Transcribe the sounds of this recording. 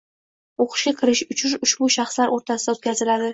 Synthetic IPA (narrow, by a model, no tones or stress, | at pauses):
oqʰɨ̥ʃɡʲakʲʰɪɾɪʃʊt͡ʃʰʊnʊʃbʊʃaχslaɾʔoɾt̪ʰasɪd̪aot̪̚kʲʰazɪlad̪ɪ